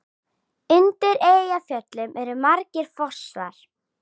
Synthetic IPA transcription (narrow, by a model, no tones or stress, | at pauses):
ʏnt̪ɪɾeːjafjœt̪lʏmʔɛɾʏmaɾcɪɾ̥fɔ̥sva̰ɾ̥